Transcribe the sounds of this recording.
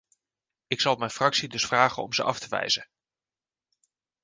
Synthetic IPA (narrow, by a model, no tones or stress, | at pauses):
ɪksɑlˠmɛjnfrɑksidɵsfraːχənɔmzə̰ʔɑftəʋɛ̰jzən